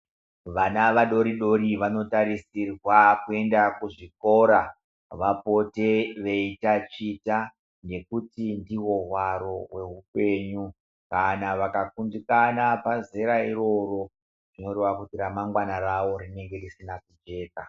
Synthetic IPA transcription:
ʋanaʋaɗo̞ɾiɗo̞ɾiʋano̞taɾisirwakue̞ndakuʐiko̞ɾa | ʋapo̞te̞ʋe̞itat͡ʃita | ne̞kutindiwo̞ɦwaɾo̞we̞ɦupe̞ːɲu | kanaʋakakundikanapazeɾaiɾo̞ɾo̞ | ʐ̥ino̞ɾe̞ʋakutiɾamaŋɡwanaɾaʋo̞ɾine̞ŋɡe̞risinakud͡ʒe̞ːka

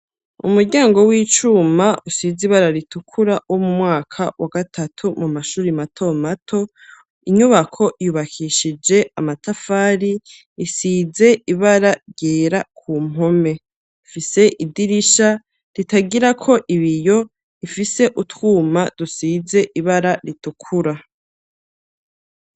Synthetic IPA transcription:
ṵmuɾɟaːŋɡo̞wiːt͡ʃumaʔusiziβaɾaɾitukʰuɾawʔo̞mumŋaːkʰawaɡatʰatʰumumaʃuːɾimatʰo̞matʰo̞ | iɲuβakʰo̞ʔjuːβakʰiʃid͡ʒe̞amatafaɾi | isize̞iβaɾaɾjeːɾakʰuːm̥o̞me̞ | ifise̞ʔidiɾiʃa | ɾitaɡiɾakʰo̞ʔiβijo̞ | ifise̞ʔutwuːmad̥usize̞ʔiβaɾaɾitukʰuɾa

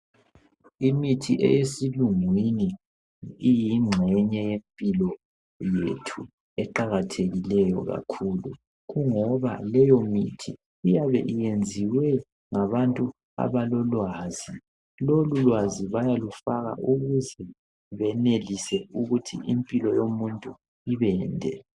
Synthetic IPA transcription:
imitʰiʔɛ̰jesiluŋwini | ijiŋ͡ǁʱɛɲɛjempʼilɔ | jḛtʰu | ɛǃaɣatʰeɣilɛjɔ̰ɣa̰kʰulu | ɣuŋɔβa̰lɛjɔmitʰi | ijaβɛ̰ʔijend͡zʱiwɛ | ŋaβantʼu | a̰βalɔlwaːz̥i | lolulwaziβajalufaɣa̰ʔuɣuzɛ | βɛnelisɛuɣutʰḭʔimpʼilɔjomuntʼu | iβɛːndʱɛ̰

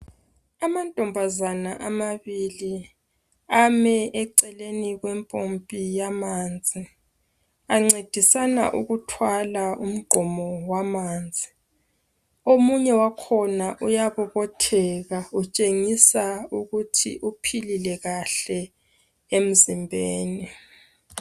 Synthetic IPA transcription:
amantʼɔmbʱazanaʔamaβili | amɛʔɛǀɛleniɣwɛmpʼompʼijamaːnd͡zʱi | aŋ͡ǀed̥ʱisana̰ʔuɣutʰwalaum̩ɡ͡ǃʱɔmɔwamaːnd͡zʱi | omuɲɛwakʰɔnaʔujaβɔɣɔtʰɛɣaut͡ʃʼeŋisauɣutʰḭʔupʰililɛɣaɬɛ | em̩zimbʱeːni

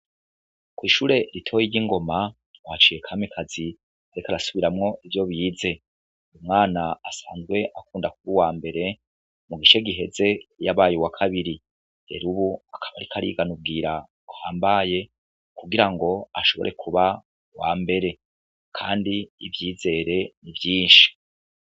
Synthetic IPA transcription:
kwiːʃuːɾe̞ɾitʰo̞ːjiiŋɡo̞ma | wat͡ʃiːje̞kʰamikʰazi | aɾikaɾasuβiɾamŋo̞ʔivjo̞βjiːze̞ | umŋaːnaːsaːnzɡwe̞ʔakuːndakuβuwaːmbe̞ɾe̞ | muɡiʃe̞ɡiɦe̞ze̞jaβaːjuwakʰaβiɾi | de̞̰ɾuβuakʰaβa̰ɾikʰaɾḭːɡanub̚ɡiːɾa | uhaːmbaje̞ | kuɡiɾaŋɡo̞aʃo̞βo̞ɾe̞kʰuβa | waːmbe̞ɾe̞ | kʰaːndiːvjiːze̞ːɾe̞nivjiːnʃi̥

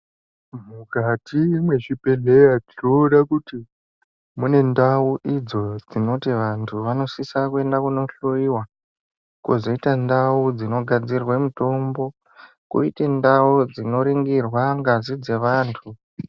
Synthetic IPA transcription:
mukatimwe̞ʂipe̞leatinoɗakuti | mune̞ndauʔid͡zo̞d͡zino̞tiʋantʰuʋano̞sisakue̞ndakuno̞ɬoiwa | kozoitandaud͡zino̞ɡʱad͡zirwemito̞mbo̞ | kṵḭtendaud͡zino̞ɾiŋɡirwaŋɡazid͡ze̞ʋaːntʰu

